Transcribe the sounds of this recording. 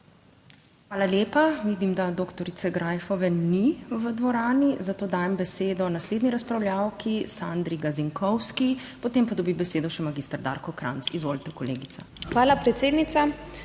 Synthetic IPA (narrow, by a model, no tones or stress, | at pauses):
xʋaːlaljeːpaʋiːd̪imd̪ad̪okt̪ɔɾit̪sɛɡɾaːjfɔʋɛniʋəd̪ʋɔɾaːnizat̪oːd̪aːjɛmbɛseːd̪ɔnasleːd̪niɾaspɾawljawkisand̪ɾiɡaziŋkɔwski | pɔt̪eːmpad̪ɔbibɛseːd̪ɔʃɛmaɡist̪aɾd̪a̰ɾkɔkɾa̰nsizʋoːlt̪ɛkɔlḛːɡit̪sa̰ | xʋaːlapɾɛt̪seːd̪nit̪sa